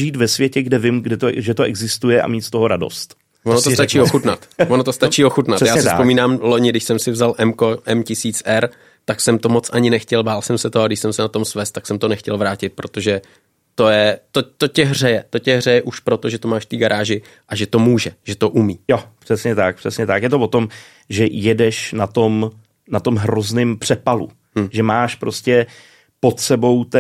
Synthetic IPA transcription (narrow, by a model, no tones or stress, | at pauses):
ʒiːt̪vɛsvjɛcɛɡdɛvɪmɡdɛt̪oʒɛt̪oʔɛɡzɪst̪ujɛʔa̰miːt̪st̪oɦoɾado̰st̪ | vonoot̪at͡ʃiːoxut̪nat̪vonot̪ost̪at͡ʃiːoxut̪nat̪jaːsɪspomiːnaːmlo̞ɲɪɡdɪʃsɛmsɪvzalʔɛmkoʔɛmcɪsiːt͡sʔɛɾ | t̪aksɛmt̪o̞mot͡sʔaɲɪnɛxcɛlbaːlsɛmsɛt̪oaɡdɪʃsɛmsɛnat̪o̞msvɛst̪ːaksɛmt̪o̞nɛxcɛlvɾaːcɪt̪̚pɾo̞t̪o̞ʒɛ | t̪o̞jɛt̪ot̪o̞cɛɦr̝ɛjɛt̪o̞cɛɦr̝ɛjɛʔuʃpɾo̞t̪o̞ʒɛt̪omaːʃft̪iːɡaɾʔaːʒɪ | ʔaʒɛt̪o̞muːʒɛʒɛt̪o̞ʔumiːjopr̝̥ɛsɲɛt̪ak̚pr̝̥ɛsɲɛt̪akjɛt̪ovo̞t̪o̞m | ʒɛjɛdɛʃnat̪o̞m | nat̪o̞mɦɾoznɪmpr̝̥ɛpalṵ | ʒɛmaːʃpɾoscɛ | pot̪sɛbo̞wt̪ɛ